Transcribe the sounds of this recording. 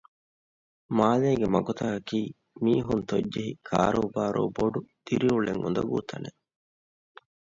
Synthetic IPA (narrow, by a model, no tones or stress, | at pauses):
maːleːɡemɐɡot̪aɐkiː | miːɦunt̪oɟːd͡ʒeɦikʰa̰ːɾoːbaːɾʔo̰ːboɖud̪̥iɾiuɭeŋund̪ɐɡṵːt̪ʰɐne